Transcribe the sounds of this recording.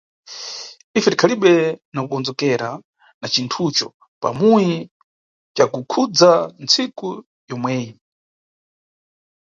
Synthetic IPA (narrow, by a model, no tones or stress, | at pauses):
ifɛtikʰaliɓɛnakukɔnd͡zɔkɛɾa | nat͡ʃintʰut͡ʃɔ̰ | pa̰muji | t͡ʃakukʰud͡zant͡sʰiku | jɔmwɛːji